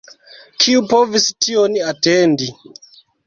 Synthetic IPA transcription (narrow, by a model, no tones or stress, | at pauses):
kʰiupovistioniatendi